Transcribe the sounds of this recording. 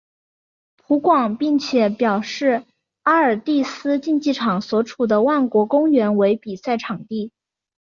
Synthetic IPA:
pʰu˧˥kwɑ˨˩ŋpi˥˩ŋt͡ɕʰjɛ˨˩˦pjɑ˨˩ʊʂɻ̩˥˩ | a˥ə˞˨˩t̪i˥˩sɹ̩˥t͡ɕi˥˧nt͡ɕi˥˩ʈ͡ʂʰɑ˨˩ŋswɔ˧˥ʈ͡ʂʰu˨˩d̪ə˦wa˥˩nkwɔ˧˥kʊ˥ŋɥɛ˧˥nwe˧˥ɪpi˨˩sa˥˩ɪʈ͡ʂʰɑ˨˩ŋt̪i˥˩

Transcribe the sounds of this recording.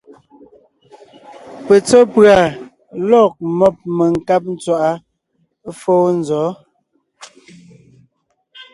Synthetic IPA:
pɛ˨t͡sɔ˦pɰa˨ | lɔ˦˨k̚mɔ˦˨p̚mə˨ŋ̩˨ka˦p̚n̩˦t͡swa˦˨ʔa˦ | foː˦n̩˦zɔ˨˦

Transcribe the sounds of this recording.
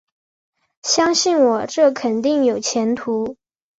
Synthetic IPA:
ɕjɑ˥ŋɕi˥˩nwɔ˨˩ʈ͡ʂɤ˥˩kʰə˨˩nt̪i˥˩ŋjo˨˩ʊt͡ɕʰjɛ˧˥nt̪ʰu˧˥

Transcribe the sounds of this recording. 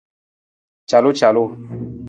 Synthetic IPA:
t͡ʃa˨lo˦t͡ʃa˨lo˦

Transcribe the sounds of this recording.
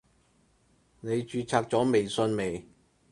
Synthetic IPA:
ne˨˧jt͡ʃyː˧t͡sʰaː˧k̚t͡sɔː˨˥me˨˩jsɵ˧nme˨˩j

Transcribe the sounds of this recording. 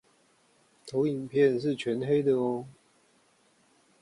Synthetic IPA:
t̪ʰo˨˦ʊi˨˩ŋpʰjɛ˥˨nʂ̬ɻ̩˥˨t͡ɕʰɥɛ˨˥˦nɦe˥ɪd̪ə˨ɔ˧˦

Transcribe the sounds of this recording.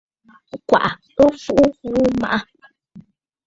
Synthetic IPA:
kʷa̰˨ʔa˨ | o˦fu˦ʔu˦u˨u˦mã̰˨ʔa˧

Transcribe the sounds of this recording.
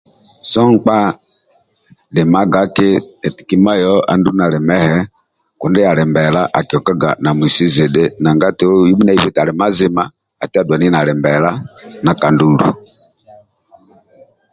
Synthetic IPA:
sɔ˦ŋ˦k͡pa˦ | lɛ˨ma˦ɡa˦kɪ˦ɛ˨ti̥˨ki˦ma˦jɔ˦a̰˨ndu˦na˨lɛ˨mɛ˦hɛ˦ | ku˨ndɛ˦a˨lɛ˨mbɛ˨la˦ʔa̰˨ki˨ɔ˨ka˦ɡa̰˨na˨mwi˨si˦ze˨ɗe˦na˨ŋɡa˦ti˨˦ji˦ɓu˦na˦i˦βi˦ta˨lɛ˨ma˦zi˦ma˦ | a˨ti˦a˦dwa˨ni˦na˨lɛ˨mbɛ˨la˦na˨ka˨ndu˦lṵ˨

